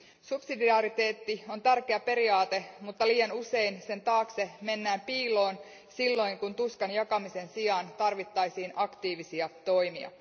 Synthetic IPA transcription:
supsidiɑɾit̪e̞ːt̪ːio̞nt̪ærkeæpe̞ɾiɑːt̪e̞mut̪ːɑliːjɑnuse̞inse̞nt̪ɑːkse̞me̞nːæːmpiːlo̞ːn | silːo̞jŋkunt̪uskɑnjɑkɑmise̞nsiɑnt̪ɑrʋit̪ːɑjsiːnʔɑkt̪iːʋisiɑt̪o̞jmiɑ̰

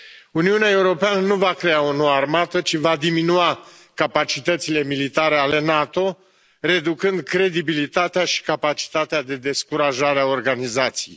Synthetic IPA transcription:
uniuneae̞uɾo̞peanənuvakɾe̞ao̞noarmat̪ət͡ʃivad̪iminua | kapat͡ʃit̪ət̪sile̞milit̪aɾe̞ale̞nat̪o̞ | re̞d̪ukɨnd̪̚kɾe̞d̪ibilit̪at̪eaʃi̥kapat͡ʃi̥t̪at̪ead̪e̞d̪e̞skuɾaʒaɾeao̞rɡanizat̪sijḛj

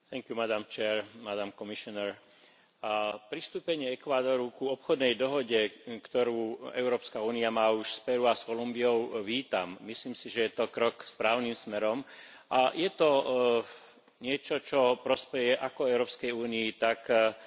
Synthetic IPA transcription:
t̪ɛŋkjumad̪amt͡ʃɛːɾmad̪amkɔmiʃɔnɛɾ | pɾist̪uːpɛɲɪɛɛkʋaːd̪ɔɾukuɔpxɔd̪nɛjd̪ɔɦɔɟɛkt̪ɔɾuːɛʊɾɔːpskauːniamaːuʃspɛɾuaskɔlumbiɔʊʋiːt̪a̰mːisliːmsiʒɛjɛt̪ɔkɾɔkspɾaːʊnimsmɛɾɔm | ʔajɛt̪ɔ | ɲɪɛt͡ʃɔt͡ʃɔpɾɔspɛjɛʔakɔɛʊɾɔːpskɛjuːniːt̪ak

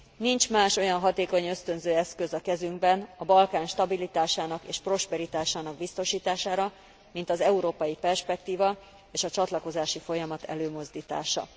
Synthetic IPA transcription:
nint͡ʃmaːʃo̞jɒnɦɒt̪eːko̞ɲø̞st̪ø̞nzøːɛskø̞zɒkɛzyŋɡbɛnɒbɒlkaːnʃt̪ɒbilit̪aːʃaːnɒkḛːʃpro̞ʃpɛɾit̪aːʃaːnɒɡ̚bist̪o̞ʃiːt̪aːʃaːɾɒ | mint̪ɒzɛuɾoːpɒjipɛrʃpɛk̚t̪iːvɒ | eːʃɒt͡ʃɒt̪lɒko̞zaːʃifo̞jɒmɒt̪ʰɛ̰løːmo̞zd̪iːt̪a̰ːʃɒ̰

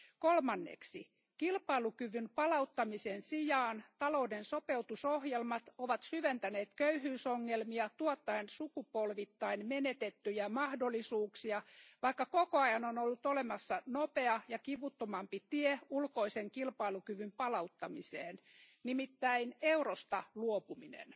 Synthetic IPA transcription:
kolmɑnːḛksi | kilpɑilukyʋynpɑlɑut̪ːɑmisensijɑːnt̪ɑlo̞udensope̞ut̪usohjelmɑt̪oʋɑt̪syʋent̪æneːt̪køyhyːsoŋːelmiɑt̪uɑt̪ːɑensukupolʋit̪ːɑinmenet̪et̪ːyjæmɑhdolːisuːksiɑʋɑikːɑkokoɑjɑnonolːut̪olemɑsːɑnope̞ɑjɑkiʋut̪ːomɑmpit̪ieulkoiseŋkilpɑilukyʋympɑlɑut̪ːɑmisḛːnnimit̪ːæineurost̪ɑluopuminḛn

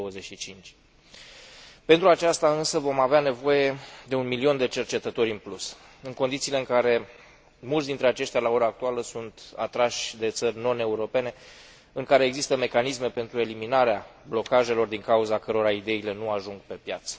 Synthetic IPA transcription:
d̪owəzeʃit͡ʃint͡ʃʲ | pe̞nt̪ɾuat͡ʃast̪aɨnsəvo̞maveane̞vo̞je̞d̪e̞unmilio̞nd̪e̞t͡ʃe̞rt͡ʃe̞t̪ət̪o̞ɾʲɨnplus | ɨŋko̞nd̪it̪siːleɨŋkaɾe̞ | mult̪sd̪int̪ɾe̞at͡ʃe̞ʃt̪ʲalao̞ɾaːk̚t̪ualəsunt̪a̰t̪ɾaʃʲd̪e̞t̪sərʲno̞ne̞uɾo̞pe̞ne̞ | ɨŋkaɾeːɡzist̪əme̞kanisme̞pe̞nt̪ɾue̞liminaɾeablo̞kaʒe̞lo̞rd̪iŋkauzakəɾo̞ɾaid̪e̞ile̞nuaʒuŋɡpe̞pjat̪sə̥

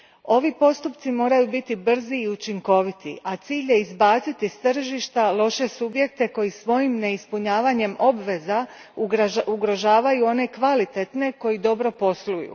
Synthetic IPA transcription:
o̞ʋipo̞st̪upt̪simo̞ːɾajubit̪ibr̩ziːut͡ʃiŋko̞ʋit̪ḭʔat̪siːʎje̞izbaːt̪sit̪ist̪r̩ʒiʃt̪alˠo̞ʃe̞subje̞k̚t̪e̞ko̞jisʋo̞jimne̞ispuɲaːʋaɲe̞mo̞bʋe̞za | uɡɾo̞ʒaːʋajuo̞ne̞kʋalit̪e̞t̪ne̞ko̞jid̪o̞bɾo̞po̞slujṵ

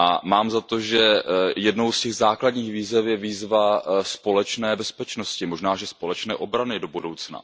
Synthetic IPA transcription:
ʔa̰maːmzat̪oʒɛjɛdno̞wscɛɣzaːkladɲiːxviːzɛfjɛviːzvaspo̞lɛt͡ʃnɛːbɛspɛt͡ʃnoscɪmo̞ʒnaːʒɛspo̞lɛt͡ʃnɛ̰ːʔo̞bɾanɪdo̞budowt͡sna̰

